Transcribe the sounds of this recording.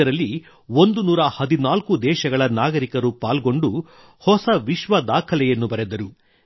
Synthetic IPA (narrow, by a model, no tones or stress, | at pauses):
ɐɾɐlːi | ond̪unuːɾɐhɐd̪inaːlkud̪ɛːʃɐɡɐɭɐnaːɡɐɾikɐɾupaːlɡo̞ɳɖu | hɔsɐʋiʃʋɐd̪aːkʰɐlɛjɐnːubɐɾed̪ɐɾu